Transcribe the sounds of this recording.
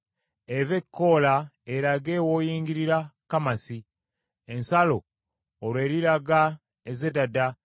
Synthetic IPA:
evekːolaeɾaɡeːwoːjiːŋɡiɾiɾakamasi | ensaloː | lwe̞ːɾiɾaɡa | ezedada

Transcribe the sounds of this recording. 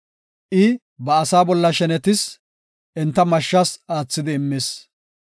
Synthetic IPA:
ʔɪ | bɐːsaːbɔlːɐʃɛnɛt̪ɪs | ʔɛnt̪ːɐmɐʃːasaːt͡sːɪd̪ɪːmːeːs

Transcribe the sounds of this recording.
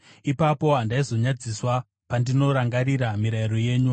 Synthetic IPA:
ipapo̞ɦandaizo̞ɲad͡ziswa | pandino̞ɾaŋɡaɾiɾamiɾaiɾo̞je̞ːɲu

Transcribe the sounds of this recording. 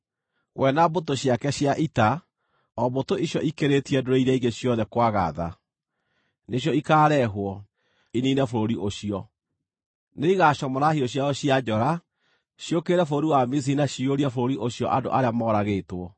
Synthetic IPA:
ɣwʔɛnabot̬oɕiakɛɕjaʔita | ɔβotoiɕjɔʔikeɾetiɛdoɾɔiɾɛiɣeɕjɔðɛkwaɣa̰ða̰ | neɕjɔikaːɾɛɦwɔ | ininɛfoɾoɾiʔoɕiɔ | neiɣaɕɔmɔɾahiɔɕ̬jaɔɕiad͡ʒɔɾa | ɕjokeɾɛfoɾoɾiwamis̬inaɕioɾiɛfoɾoɾiʔoɕjɔ̰ʔado̰ʔaɾeamɔːɾaɣeːtwɔ

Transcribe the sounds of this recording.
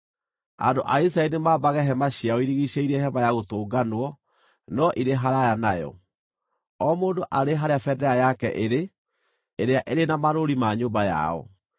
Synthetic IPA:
a̰ndoʔais̬ɾaɛɾinemaːbaɣɛɦɛmaɕiaɔiɾiɣiɕeiɾɛɦɛbajaɣotoːɡanwɔ | nɔʔiɾeɦaɾajanajɔ̰ | ɔmoːndoʔaɾeɦaɾeafɛdɛajakɛʔeɾe | eɾeaʔeɾenamaɾoɾimaɲoːmbaja̰ɔ̰

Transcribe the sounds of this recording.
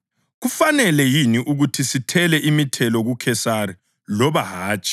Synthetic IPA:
ɣufanɛlɛjiniʔuɣutʰisitʰɛlɛʔimitʰɛlɔɣukʰɛsari | lɔβaɦaːt͡ʃʼi̥

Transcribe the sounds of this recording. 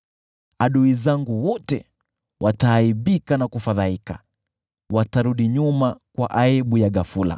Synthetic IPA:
aɗuizaŋɡuwɔtɛ̰ | wʔataːiɓikanakufaðaika | wataɾuɗiɲumakwaʔaiɓujaɡafula̰

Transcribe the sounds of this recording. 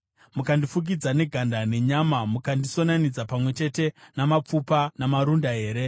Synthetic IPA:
mukandifuk̬id͡zane̞ɡʱandane̞ɲamamukandiso̞nanid͡zapamwe̞t͡ʃe̞te̞namap͡fupanamaɾundaɦe̞ːɾe̞

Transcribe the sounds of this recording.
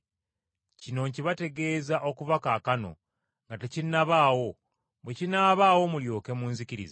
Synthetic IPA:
cino̞ɲciβate̞ɡe̞ːzaʔo̞kuvakaːkano̞̰ | ŋɡatecinaβaːwo̞ | bwecinaβaːwo̞muljo̞ːkemuːnziciɾḭza

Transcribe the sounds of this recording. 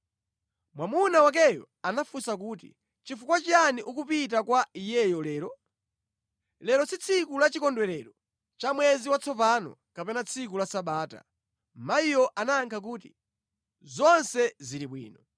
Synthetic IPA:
mwamunawak̬ɛjɔ̰ | anafusak̬uːtḭ | t͡ʃifukwat͡ʃaniʔukupit̬akwaijɛjɔlɛːɾɔ | lɛɾɔsit͡sʰikulat͡ʃikɔndwɛɾɛɾɔ | t͡ʃamwɛziwat͡sʰɔpanɔ̰ | kapɛnat͡sʰik̬ulasaɓaːta̰ | maijɔʔanaːŋkʰak̬uːtḭ | zɔnsɛziɾiɓwḭːnɔ

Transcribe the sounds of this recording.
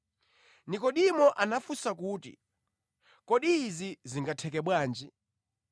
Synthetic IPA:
nikɔɗimɔʔanafusakuːtḭ | kɔɗiːziziŋɡatʰɛkɛɓwaːnd͡ʒi

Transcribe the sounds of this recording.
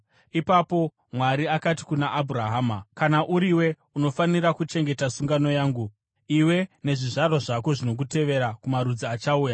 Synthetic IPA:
ipapo̞ | mwaɾiakati̥kunaʔːbʱuraɦaːmakanaʔuɾiwe̞ | uno̞faniɾakut͡ʃe̞ŋɡe̞tasuŋɡano̞jaːŋɡu | iwe̞ne̞ʐiʐarwaʐako̞ʐino̞k̬ute̞ʋe̞ɾakumaɾud͡ziat͡ʃauːja

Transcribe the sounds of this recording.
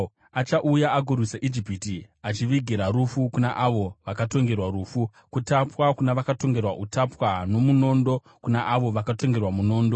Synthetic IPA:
at͡ʃaʔujaaɡʱurwisaʔid͡ʒipitiat͡ʃiʋiɡʱiɾaɾufukunaʔaʋo̞ʋakato̞ŋɡe̞rwaɾuːfu | kutapwakunaʋakato̞ŋɡe̞rwa̰ʔutapwano̞muno̞ndo̞ | kunaʔaʋo̞ʋakato̞ŋɡe̞rwamuno̞ːndo̞

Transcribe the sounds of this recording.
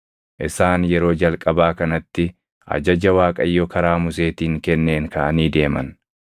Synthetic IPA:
ʔɪsaːnjɛɾo̞ːd͡ʒɐlkʼɐbaːkɐnɐt̪ːɪ | ʔɐ̰d͡ʒɐd͡ʒɐwaːkʼɐjːɔkʰɐɾaːmʊse̞ːt̪iːŋkɛnːe̞ːŋkɐʔɐniːd̪e̞ːmɐ̰n

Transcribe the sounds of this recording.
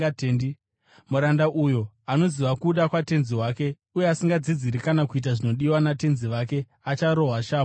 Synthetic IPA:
tendi | muɾandaʔujo̞ | ano̞ziʋakuːɗakwate̞nziɦwaːke̞ | ujeasiŋɡad͡zid͡ziɾikanakuit̬aʐino̞ɗiwanate̞nziʋake̞ | at͡ʃaɾo̞ɦwaʃaːmo

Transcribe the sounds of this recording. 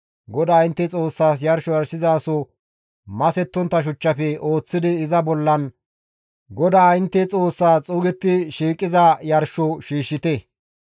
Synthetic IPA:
ɡɔd̪aːɪnt̪ːɛt͡sʼo̞ːsːaːs̬jɐɾʃɔjɐɾsɪzaːsɔ | mɐsɛt̪ːɔnt̪ːɐʃ̬ʊt͡ʃːɐfɛo̞ːt͡sːɪd̪ɪːzɐbɔlːɐn | ɡɔd̪aːɪnt̪ːɛt͡sʼo̞ːsːaːt͡sʼʊːɡɛt̪ːɪʃiːkʼːɪzɐjɐɾʃɔʃiːʃːɪt̪ɛ

